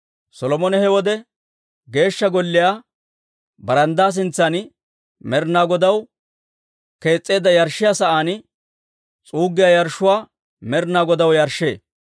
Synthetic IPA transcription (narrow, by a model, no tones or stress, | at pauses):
sɔlɔmɔnɛhɛwɔd̪ɛ | ɡe̞ːʃːɐɡɔlːɪjaː | bɐɾɐnd̪aːs̬ɪnt͡sːan | mɛɾnaːɡɔd̪ɐw | ke̞ːt͡sʼːe̞ːd̪ːɐjɐɾʃːɪjaːsɐʔaːn | t͡sʼuːɡːɪjaːjɐɾʃːʊwaː | mɛɾnaːɡɔd̪ɐwjɐɾʃːḛː